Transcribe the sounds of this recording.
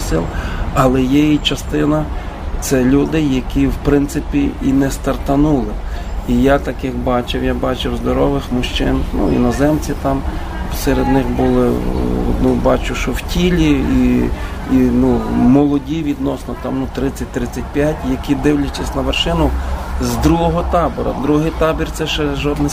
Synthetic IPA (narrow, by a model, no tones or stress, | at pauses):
sɪlˠɐlˠɛjɛjit͡ʃɐst̪ɪnɐ | t̪sɛlʲud̪ɪjɐkʲiwpɾɪnt̪sɪpʲiinɛst̪ɐrt̪ɐnulˠɪ | ijat̪ɐkɪxbɑt͡ʃɪwjabɑt͡ʃɪwzd̪ɔɾɔʋɪxmʊʃt͡ʃɪ̰nnṵḭnɔzɛmt͡sʲit̪ɑm | sɛɾed̪nɪxbulˠɪ̰ | nubɑt͡ʃʊʃɔwtʲilʲii | inumɔlˠɔdʲiʋʲid̪nɔsnɔt̪ɑmnut̪ɾɪt͡sʲːɐt̚ʲt̪ɾɪt͡sʲːɐt̚ʲpʲjatʲjɐkʲid̪ɪwlʲɐt͡ʃɐsʲnɐʋerʃɪnʊzd̪ɾuɦɔɦɔt̪ɑbɔɾɐ̰d̪ɾuɦɪjt̪ɑbʲirt̪sɛʃɛʒɔd̪nɪ